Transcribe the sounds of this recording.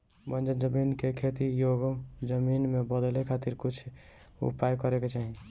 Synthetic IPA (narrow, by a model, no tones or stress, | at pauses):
bənd͡ʒənd͡ʒəminkekʰet̪ijoɡd͡ʒəminmebəd̪lekʰat̪iɾkut͡ʃʰ | ṵpajkɔɾeket͡ʃaɦi